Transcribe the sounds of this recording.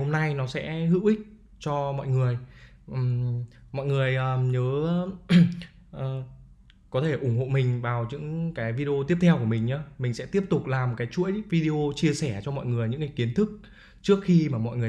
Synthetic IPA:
ho˧mna˧jnɔ˨˦sɛ̰˧˥hɨ̰˧˥wʔï˦˥k̟̚ | t͡ɕɔ˧mɔ̰˧˨jŋɨ˨˩əj | ʔmɔ̰˧˨jŋɨ˨˩əjʔəː˨˩ɲəː˨˦ | ʔəː˨ | kɔ˨˦t̪ʰe˧˩ʔʊ˧˩ŋ͡mho̰˧˨mï˨˩ŋ̟vaː˨˩wt͡ɕɨ̰˧˥ŋkaː˨˦jvi˧ɗi˧o˧t̪i˦˥əp̚t̪ʰɛ˧wku˧˩əmï˨˩ŋɲaː˨˧˦mï˨˩ŋ̟sɛ̰˧˥t̪i˦˥əp̚t̪ʊ˨˩k͡p̚laː˨˩m̚˨˩kaː˨˦jt͡ɕṵ˧˥əjvi˧ɗi˧ʔo˧t͡ɕi˧əsɛ˧˩t͡ɕɔ˧mɔ̰˧˨jŋɨ˨˩əjɲɨ̰˧˥ŋkaː˨˦jki˨˦nt̪ʰɨ˦˥k̚ | t͡ɕɨ˦˥ək̚xi˧maː˨˩mɔ̰˧˨jŋɨ˨˩ə˩˨

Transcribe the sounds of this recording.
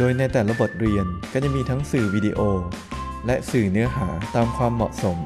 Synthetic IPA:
doː˧jna˧jt̪ɛː˨˩la˦˥bo˨˩t̪̚ɾi˧ənkaː˧˥˩t͡ɕa˨˩ŋmiː˧t̪ʰa˦˥ŋsɯː˨˩wiː˧di˧ʔoː˧ | lɛ˦˥sɯː˨˩nɯ˦˥ɐɦaː˩˦t̪aː˧mkʰwaː˧mːɔ˨˩ʔso˩˦m

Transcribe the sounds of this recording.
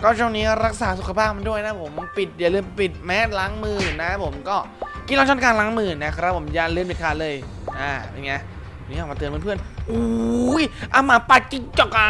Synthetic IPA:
kɔː˥˩t͡ɕʰɔ˥˩˨niː˦˥ɾa˦˥k̚saː˩˦su˨˩kʰa˧pʰaː˥˩p̚ma˧du˥˩əjna˦˥pʰo˨˩˦mpi˨˩t̪̚jaː˨˩lɯː˧mpi˨˩t̪̚mɛː˦˥t̪̚laː˦˥ŋmɯː˧˩na˦˥pʰo˩˦mkɔː˥˩ | ki˧˩laː˧˥t͡ɕʰɔ˥˩kaː˧nla˨˦˥ŋmɯː˧˩na˦˥kɾa˦˥p̚ʰːo˩˦mjaː˨˧˩lɯː˧mpi˨˩kʰaː˨˩lɤː˧j | ʔaː˧˩a˧˩ŋa˦˥˩ | niː˦˥ɔː˨˩ma˧ɯ˧ənmː˧˥˩pʰɯ˥˩ənʔuː˧˦jʔa˧˩maː˨˦pa˨˧˩t̪̚ki˧ŋt͡ɕɔ˨˩ka˧

